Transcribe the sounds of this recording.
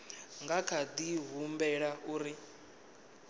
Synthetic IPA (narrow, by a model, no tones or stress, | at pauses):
ŋɡakʰad̪iɦumbɛɺauːɾi